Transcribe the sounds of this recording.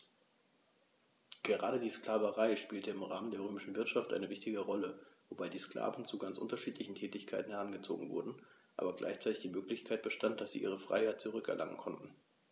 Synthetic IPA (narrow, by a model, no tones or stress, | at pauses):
ɡ̥əʁaːɾədiːsklaːvəʁaɪʃpiːltəɪmʁaːməndeːɐʁøːmɪʃn̩vɪɐtʃaftʔa̰ɪnəvɪçtɪɡəʁɔləvobaɪdiːskl̥a̰ːvn̩t͡suɡant͡sʔʊ̰ntɐʃiːtlɪçn̩tʰɛːtɪçkʰaɪtn̩hɛɐʁ̞anɡət͡so̰ːɡŋ̩vʊ̰ɐdn̩ʔa̰ːbɐɡlʔa̰ɪçt͡saɪtɪçd̥iːmøːklɪçkʰaɪt̚b̥əʃtant̚d̥asz̥ḭːʔiːʁ̞əfʁ̥a̰ɪhaɪt̚t͡suʁʏkɛ̰ɐlʔa̰ŋə̰nkʰɔntn̩